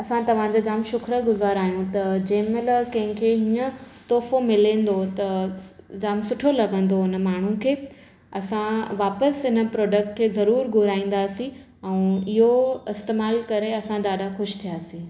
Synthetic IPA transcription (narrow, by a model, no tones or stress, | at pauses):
ɐsãt̪ɐʋ̤ãd͡ʑoːd͡ʑaːmʃʊkɾəɡʊzaːɾaːɦijũt̪ɐd͡ʑɐ̃ɦmẽlɐkɐ̃ɦɪ̃kʰeɦiːə̃t̪oːfomɪlẽːn̆d̪ot̪ɐ | d͡ʑaːmsʊʈʰolɐɡə̃nd̪oɪnə̆maːɳ̤ũkʰeː | ɐsãʋaːpəsɦɪnə̆pɾɔːɖək̚ʈ̚kʰeːzɐɾuːɾɡʱʊɾaːĩːn̆d̪aːsĩ | ɛ̃ũɪɦoɪst̪eːmaːlkɐɾeɐsãd̪aːɖaxʊʃt̪ʰijaːsĩː